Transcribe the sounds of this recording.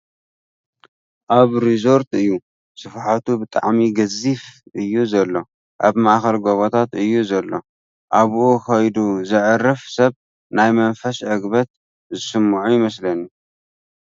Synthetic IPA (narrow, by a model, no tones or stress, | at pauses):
ʔaβɾizo̞ɾt̪ɨjːu | sɨfħat̪ʰubɨt̪ʼa̰ʕmiɡɐzifʔɨjːuzɐlːo̞ | ʔaβmaʔxɐlɡoβot̪ʰat̪ɨjːuzɐlːo̞ | ʔaβʔukɐjd̪uzɨʕɨrːɨfsɐβ | najmɐnfɐsɐɡbɐt̪̚ | zɨsɨmːʕujɪmɐslɐnju